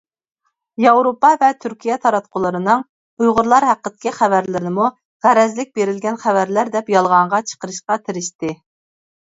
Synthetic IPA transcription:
jɑwɾopɑvɛt̪ʰyɾkʲijɛt̪ʰɑɾɑt̪̚qʰʊlˠəɾɨnɨŋ | ujʁʊɾlˠɑɾɦæqːət̪ɪ̥kʲiχævæɾlɪɾnɪmu | ʁæɾɛzlɪk̚ʲbeɾɪlɡʲɛnχævæɾlæɾd̪ɛpjɑlˠʁɑɴʁɑt͡ʃʰə̥qəɾɨʃqɑt̪ʰɪɾɪʃt̪ɪ

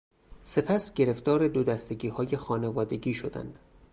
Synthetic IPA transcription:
se̞pʰæsɟe̞ɾe̞ft̪ɒːɾe̞d̪od̪æst̪e̞ɡiːhɒːje̞xɒːne̞vɒːd̪e̞ɟiːʃo̞d̪æ̰nd̪̥

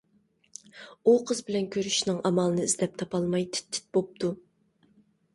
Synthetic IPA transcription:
uqʰəzbɪlɛnkʲʰøɾyʃnɨŋʔɑmɑlˠɨnɨizd̪ɛp̚t̪ʰɑpɑlˠmɑjt̪ʰɪ̥t̪ʰːɪ̥t̪̚bop̚t̪ʰu

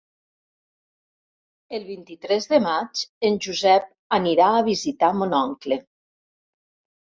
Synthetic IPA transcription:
elˠβint̪it̪ɾɛzðəmat͡ʃenʲʒuzɛp̚ | aniɾaəβizit̪amonɔŋkle

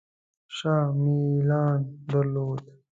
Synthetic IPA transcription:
ʂaːmilɑːnd̪ɐɾloːd̪

